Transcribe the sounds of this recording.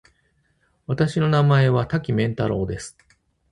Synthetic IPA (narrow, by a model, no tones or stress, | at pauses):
βat̪aɕino̞namae̞βat̪akʲimẽ̞nt̪aɾo̞ːd̪e̞sɨ̥